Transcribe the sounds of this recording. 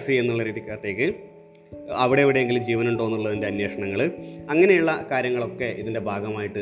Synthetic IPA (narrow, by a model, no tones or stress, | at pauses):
sienːuɭːɐɾiːðikʲːaːrt̪ːe̞ːkːɨ | ɐʋiɽe̞iʋiɽe̞eŋɡild͡ʑiːʋɐnuɳɖoːnːuɭːɐðinde̞ɐnje̞ːʂɐɳɐŋːɐɭɐŋːɐne̞juɭːɐkaːɾjɐŋːɐɭo̞kːe̞ʔiðinde̞bʱaːɡɐmaːjiʈːɨ